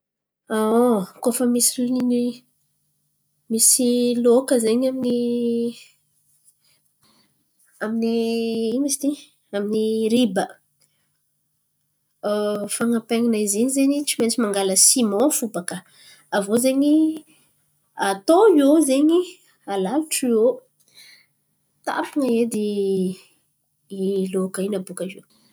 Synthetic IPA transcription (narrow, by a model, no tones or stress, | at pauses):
aokofəmisilini | misilokəzeɲamini | aminiimisi̥t̪i | aminiɾibə | faŋapeŋinaiziɲizeɲit͡siment͡simaŋɡaləsimõfubakə | avozeɲi | at̪oiozeɲi | alaluʈ͡ʂio | t̪a̰puŋəed̪i | ilokainabukaze